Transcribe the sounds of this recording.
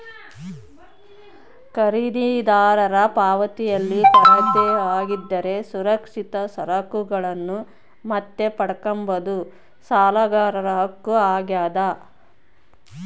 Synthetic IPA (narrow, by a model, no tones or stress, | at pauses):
kɐɾid̪id̪aːɾɐɾɐpaːʋɐt̪ijɐlːipɐɾɐt̪ːeaːɡid̪ːɐɾe̞suɾɐkʂit̪ɐsɐɾɐkuɡɐɭɐnːu | mɐt̪ːe̞pɐɽɐkɐmbɐd̪u | saːlɐɡaːɾɐɾɐɦɐkːuaːɡjaːd̪ɐ